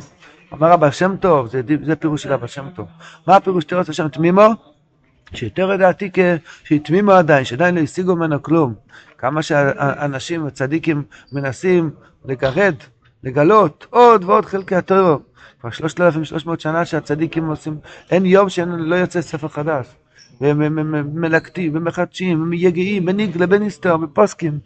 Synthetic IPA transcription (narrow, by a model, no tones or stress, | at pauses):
a̰maʁabalʃe̞mto̞vzedizepeʁuʃelabalʃe̞mt̪o̞vmaːpeʁuʃt̪iʁesaʃemt̪mimo | ʃejot̪eʁled̪aːtikeʃeit̪mimoadainʃead̪ajinlo̞isiɡuemenoklum | kamaʃeaanaʃimvet͡sadikimːenasim | leɡaʁe̞d | leɡalo̞t̪o̞dveo̞d̪χelkehat̪ojʁa | kvaʁʃlo̞ʃt̪elafimʃlʔoʃmo̞ːt̪ʃanaʃeat͡sad̪ikimosimʔenjo̞mʃeenlojot͡sesefeʁχadaʃ | veemːelakt̪imvemeχad̪ʃimvemjeɡiimbeniɡlebenist̪oʁbeposkim